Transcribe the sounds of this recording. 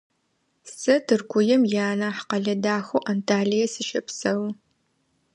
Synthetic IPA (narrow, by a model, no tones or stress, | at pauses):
sɐtʰɨrkʷʰʊjɛmjaːnaːħqɐɮɐdaːxowʔantʰaːlijɐsɨʃɐpsɐw